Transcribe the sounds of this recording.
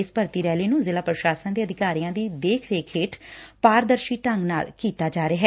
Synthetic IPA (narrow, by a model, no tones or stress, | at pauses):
ɪspəɾt̪iːɾɛːliːnũːzɪlaːpɾəʃaːsənd̪eːəd̪ʱɪkaːɾijãːd̪iːd̪eːkʰɾeːkʰeːʈʰpaːɾd̪əɾʃiːʈəŋɡna̰ːlkiːt̪aːd͡ʒaːɾeaːɦɛː